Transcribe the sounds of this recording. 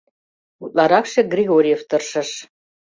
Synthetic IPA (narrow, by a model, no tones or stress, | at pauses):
ut̪lˠɑɾɑkʃĕɡrʲiɣoɾʲjeft̪ɤ̆rʃɤ̆ʃ